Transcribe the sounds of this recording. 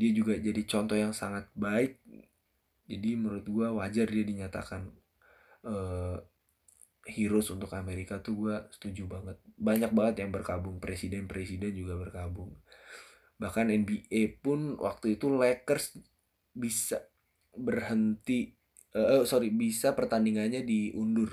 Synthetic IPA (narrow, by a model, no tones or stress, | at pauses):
diad͡ʒuɡad͡ʒadit͡ʃɔnt̪ɔhjaŋsaŋat̪̚baɪk̚ | d͡ʒadiməɾʊt̪̚ɡuawad͡ʒardiadiɲat̪a̰kan | əː | hiɾʊsunt̪ʊkameɾikat̪uɡuasə̥t̪ud͡ʒubaŋət̪̚baɲak̚baŋət̪jaŋbərkabʊŋpɾesidɛnpɾesidɛnd͡ʒuɡabərkabʊŋ | bahkanɛnbiepʊnwʔa̰k̚t̪uit̪ulɛkərs | bisa | bərhənt̪i | əsoɾibisapərt̪aniŋanɲadiʔundʊr